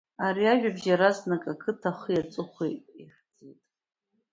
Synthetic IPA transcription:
aɾiaʒᶣabʒaɾaznakʼakʰɨtʰaχəjat͡sʷʼɨχʷḛjtʼiħd͡zejtʼ

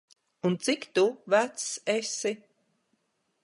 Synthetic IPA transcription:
unt̪sikt̪uvæt̪sesi

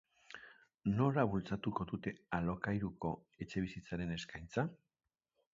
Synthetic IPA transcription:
no̞laβult͡sat̪uko̞ðut̪e̞alo̞kajɾuko̞ | e̞t͡ʃe̞βisit͡saɾe̞ne̞skajnt͡sa

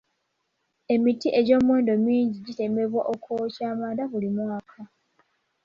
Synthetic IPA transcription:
e̞mitiʔe̞ɟo̞ːmwe̞ːndo̞miːɲɟiɟite̞me̞βwaʔo̞kʰoːcaːmadaβulimwaːkʰa

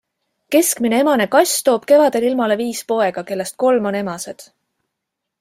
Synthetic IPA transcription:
ke̞skmine̞e̞mɑne̞kɑsʲt̪o̞ːb̥ke̞vɑd̪e̞lilmɑle̞viːspo̞e̞ɡ̥ɑke̞lːe̞st̪̚ko̞lmo̞ne̞mɑse̞d̪̥

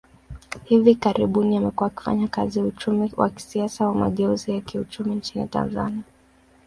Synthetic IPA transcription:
hivikaɾiɓuniamɛkuaːki̥fa̰ɲaka̰ziaut͡ʃumiwʔa̰ki̥siasawama̰ɠɛuzijakiut͡ʃumint͡ʃinḭta̰nza̰nia

